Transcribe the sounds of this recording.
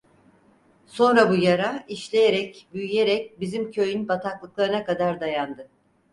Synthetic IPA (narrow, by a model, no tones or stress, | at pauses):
so̞nɾabujaɾaiʃlʲejeɾɛcbyjyje̞ɾɛc̚bizimcʰø̞jynbat̪ʰaklˠɯklˠaɾɯnakad̪aɾd̪ajand̪ɯ